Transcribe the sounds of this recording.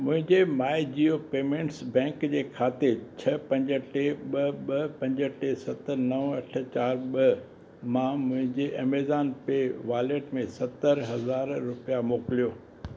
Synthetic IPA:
mʊ̃ɦɪ̃ɲd͡ʑemaːɪd͡ʑiːopeːmẽːɳʈsbɛ̃ːŋkd͡ʑeːkʰaːt̪et͡ɕʰɐpɐ̃ɲd͡ʑə̆ʈeɓɐɓɐpɐ̃ɲd͡ʑəʈesɐt̪ənɐʋɐʈ̆ʰt͡ɕaːɾɓɐ | mãmʊ̃ɦɪ̃ɲd͡ʑeʔɐmeːzaːnpeʋaːleːʈmẽsɐt̪əɾɦɐzaːɾɾʊpijamoːkɪlijoː

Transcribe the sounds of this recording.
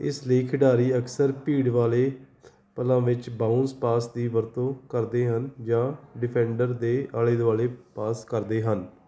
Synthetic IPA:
ɪ̰sleːkʰɪɖaːɾiːəksəɾpiːɽʋaːleː | pəlãːʋɪt͡ʃbãːʊnspaːsd̪iːʋəɾt̪õːkəɾd̪eːɦənd͡ʒãːɖɪpʰɛ̃ːɳɖəɾd̪eːaːleːd̪aːleːpaːskəɾd̪eːɦən

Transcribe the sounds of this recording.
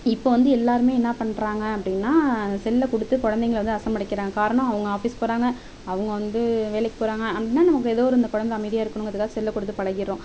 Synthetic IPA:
ɪpːoːʋɐnd̪ɯɛlːaːɾɯmeːɛnːapɐɳɾaːŋɡɐɐpːɐɽɪnːaːsɛlːɐkʊɽɯt̪ːɯkɔɻɐnd̪ɛŋɡɐɭʋɐnd̪ɯɐsɐmːpɐɽɪkːɪɾaːŋɡɐkaːɾɐɳɐ̃mɐʋɐŋɡɐaːfiːspoːɽaːŋɡɐ | ɐʋɐŋɡɐʋɐnd̪ɯʋeːɭlɛkːɯ̥poːɾaːŋɡɐːpːɐɽɪnːaːnɐmɐkːɯɛðoːɔɾɯɪnd̪ɐkɔɻɐnd̪ɐɐmɐɪðɪjaːɪɾɯkːɐɳʊŋɐðɯkːaːðɯsɛlːɐkːʊɽɯt̪ːɯpɐɻɐɣɪɾõː

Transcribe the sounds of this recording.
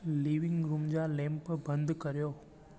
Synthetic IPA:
liʋɪ̃ŋɡɾumd͡ʒalɛ̃mpbə̃nd̪kəɾjoː

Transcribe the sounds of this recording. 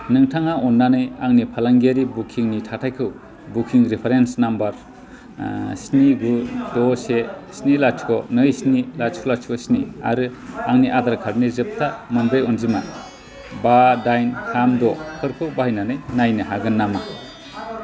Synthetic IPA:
nɯŋtʰaŋaɔnːanɯjaŋnipʰalaŋɡaɾibukʰiŋnitʰatʰajkʰɯw | bukʰiŋɾipʰaɾensnambaɾ | sniɡudɔsesnilat͡ʃʰkʰɔnɯjsnilat͡ʃkʰɔlat͡ʃkɔsnia̰ɾɯaŋniʔadaɾkʰaɾnizɯp̚tʰamɯnbɾɯjɔnzima | badajnhʰamdɔpʰɯɾkʰɯwbahɯjnanɯjnajnɯɦaɡɯnːama

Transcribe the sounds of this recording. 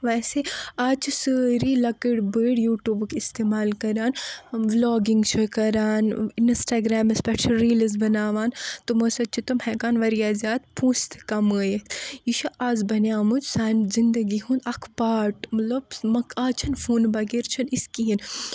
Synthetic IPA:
ʋɐːseaːt͡ʃʰisəːɾilɐkəɽbəːɽjuːʈjuːbkist̪eːmaːlkɐɾaːnʋloːɡiŋɡt͡ʃʰɐkɐɾaːninsʈaːɡɾaːmɐspɛʈt͡ʃɐɾiːlɐzbɐnaːʋaːnt̪umɐsɐt͡ʃʰit̪ɐmhɛːkaːnʋɐɾijaːzjaːt̪pʰũːst̪ʰkɐməjejiʃɐʔaːzbɐnjaːmud͡ʒsaːnzind̪ɐɡiɦũːnd̪ɐkʰpaːʈmɐt̪lɐbmɐkʰaːt͡ʃʰɐnfuːnbɐɡeɾt͡ʃʰɐniskiɦin

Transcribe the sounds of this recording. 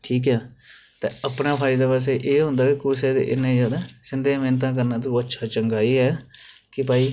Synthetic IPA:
ʈʰiːk̬ɦɛːt̪ḛ̃ːəpnãːpʰaːiːd̪eːpaːs̬eːʔeːɦʊ̃nd̪aːkikʊsed̪ḛʔɪ̰nẽːd͡ʒaːd̪aːsɪnd̪eːmeːnt̪̬ãːk̬əɾnãːt̪̬õːətːʃʰaːt͡ʃəŋɡaːiːɦɛːkɪpaːiː

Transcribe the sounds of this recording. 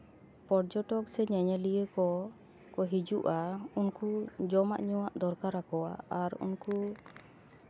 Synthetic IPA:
pɔɾd͡ʒɔʈɔk̚sɛɲɛɲɛlijəkɔ | kɔɦid͡ʒuʔaunkud͡ʒɔma̰ʔɲɔwaʔd̪ɔɾkaɾakɔwa̰aɾṵnku

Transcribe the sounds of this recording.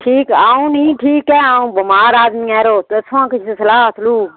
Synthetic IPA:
ʈʰiːkaːũːnĩːʈʰiːkɛːaːũbəmaːɾaːd̪miːaːɾoːt̪sʰãːkɪt͡ʃʰt̪ːsɐlaːt̪ʰluː

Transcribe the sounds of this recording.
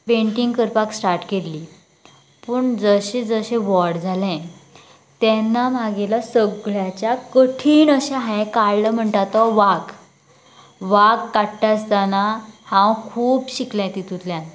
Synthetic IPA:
peɳʈiŋɡkəɾpaksʈaɾʈkelliː | pəɳd͡zəɕẽd͡zəɕẽʋɔɽd͡zʱalɛ̃ | t̪ɛnːamaɡelasəɡɭjat͡ɕjakəʈʰiːnəɕaɦãkaɭləm̤əɳʈ̪at̪ɔʋaɡ | ʋaɡkaʈːast̪anahãwkʰuːbɕiklãt̪it̪ut̪ljãn

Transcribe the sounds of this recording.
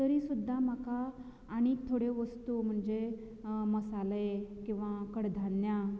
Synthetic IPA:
t̪əɾisud̪ʱːam̤akaː | ɽ̃iːk̚t̪ʰoɽeʋəst̪um̤əɳd͡ze | məsalekĩw̃ʋakəɽd̪ʱanja

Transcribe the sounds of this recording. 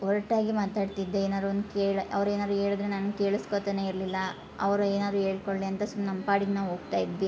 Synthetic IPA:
ɔɾɐʈaːɡimaːt̪aːɖt̪id̪ːeeːnaːd̪ɾuond̪ukeːɭɐʋɐɾeːnaːd̪ɾuɦeːɭid̪ɾe̞naːnuke̞ːɭiskot̪ane̞ːiɾlilːɐ | ɐʋɐɾueːnaːd̪ɾuːɦeːɭkoɭliɐnt̪ɐsumɐnɐmpaːɽinnaːʋɦo̞ːɡ̚t̪aːjid̪ʋi

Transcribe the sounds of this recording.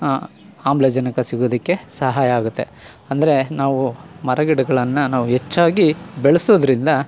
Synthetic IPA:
aːmblɐd͡ʒɐnɐkɐsiɡoːd̪ɐkːe̞sɐɦaːjɐːɡut̪ːe̞ | ɐnd̪ɐɾe̞naːʋumɐɾɐɡiɽɐɡɐɭɐnːɐnaːʋuɦet͡ʃːaːɡibeɭɐsoːd̪ɐɾind̪ɐ

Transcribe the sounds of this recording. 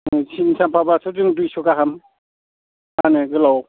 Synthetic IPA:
sinsampʰabasʰɯdɯŋdujsukaɦam | anɯɡɯlaw

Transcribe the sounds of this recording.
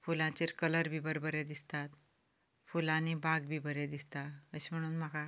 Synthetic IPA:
fulãt͡ɕeɾkələɾbʱibəɾbəɾed̪ist̪at̪ | fulãnibaɡbʱibəɾed̪ist̪aəɕim̤əɽ̃uːnmaka

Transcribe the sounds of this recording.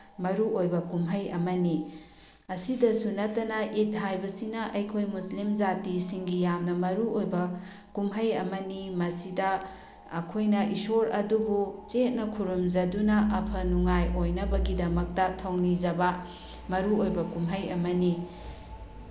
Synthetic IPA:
mɐɾuojbɐkumɦɐjɐ̰mɐni | ɐsidɐsunɐtːɐnɐʔit̚ɦajbɐsinɐʔɐjkʰojmuslimd͡ʒatisiŋɡijamnɐmɐɾuojbɐ | kumɦɐjɐmɐnimɐsidɐː | kʰojnɐʔisoɾɐ̰dubut͡ʃet̚nɐkʰuɾumzɐdunɐʔɐpʰɐnuŋajojnɐbɐɡidɐmɐk̚tɐtʰɐwnid͡ʒɐbɐ | mɐɾuojbɐkumɦɐjɐmɐni

